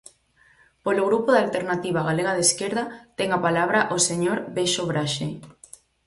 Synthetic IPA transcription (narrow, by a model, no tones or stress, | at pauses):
poloɣɾupoðalt̪eɾnat̪iβ̞aɣaleɣ̞að̞eskeɾðɐt̪ɛŋapalaβɾaʔoseɲoɾbeʃoβɾaʃe